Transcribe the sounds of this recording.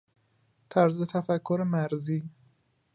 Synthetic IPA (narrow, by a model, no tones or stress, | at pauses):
t̪ʰæɾzet̪ʰæfækʰːoɾemæɾziː